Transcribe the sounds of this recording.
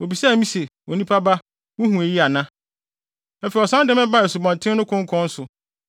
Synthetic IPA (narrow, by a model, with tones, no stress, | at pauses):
o˨bi˨sa˦˨mĩ˦se˨wo˨nĩ˦pʰa˦ba˦ | wʊ˦hũ˨e˨ji˦a˨nã˦˨ | fɛ˨i˨ɔ˨sã˦dɛ˦mɛ̃˦ba˦˨ɛ˨su˨bɔ̃˨n˨tʰɪ̃˦nʊ̃˦kʰʊ̃˦ŋ̩˦kʰʊ̃˦n̩˦sʊ˨